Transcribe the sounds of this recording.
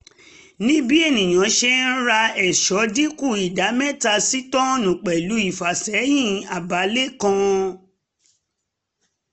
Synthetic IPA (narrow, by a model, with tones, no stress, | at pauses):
nĩ˦bi˦e˦˨nĩ˨j̃ã˨˦ʃe˧n̩˦ɾa˧ɛ˨ʃɔ˨˦di˦ku˦˨i˨da˨˦mɛ˦ta˧si˦tɔ̃˦nũ˨k͡pɛ˨lu˨˦i˦˨fa˨sɛ˨˦jĩ˦˨a˨ba˨˦le˦kã˧